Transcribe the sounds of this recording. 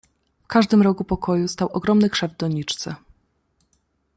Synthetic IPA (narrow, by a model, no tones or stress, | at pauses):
fkaʐd̪ɘmɾɔkupɔkʰɔjust̪awɔɡɾɔmnɘkʂɛvd̪d̪ɔɲit͡ʂt̪sɛ̰